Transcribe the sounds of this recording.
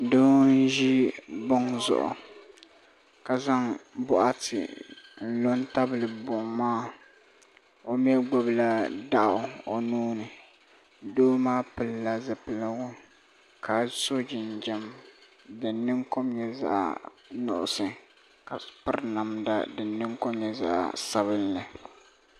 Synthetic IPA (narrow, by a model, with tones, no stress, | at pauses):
doː˦nn̩˦ʒi˦bʊ˦ŋzʊ̰˨ʔʊ̰˨ | ka˨za˦ŋbʊ˦ʔa˦tɪ̰˨n̩˦˨lo˦nta˦blɨ˨bʊ˨ŋmaː˦˨ | o˨m˦ɛ˦ɡ͡bo˨bla˦da˦ʔʊ˨o˨nuː˦nɨ˨ | doː˦maː˦pɨ˨lːa˦zɨ˨pɨ˨lɨ˦ɡʊ˦ | ka˨so˦d͡ʒɪ˨nd͡ʒɛ˦m | dɨ˨nːɨ˦ŋko˦mɲɛ˨za̰˦ʔ | nʊ̰˨ʔʊ̰˨sɨ˨ | ka˨pɨ˦ɾna˨mda̰˨dɨ˨nːɨ˦ŋko˦mɲɛ˨za̰˦ʔsa˦βɨ˦lːɨ˨